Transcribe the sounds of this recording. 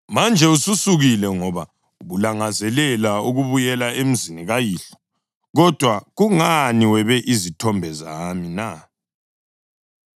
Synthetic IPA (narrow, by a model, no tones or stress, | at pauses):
mand͡ʒʱɛususuɣilɛŋɔβa | uɣulaŋazɛlɛlauɣuβujɛlaem̩ziniɣajiːɬɔ̥ | ɣɔd̥ʱwaɣuŋaniwɛβɛʔizitʰɔmbʱɛzamina